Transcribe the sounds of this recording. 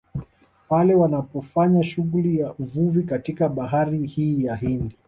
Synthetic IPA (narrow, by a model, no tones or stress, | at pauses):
palɛwanapɔfaɲaʃuɣulijauvuvikatikaɓaɦaɾihiːjaɦindi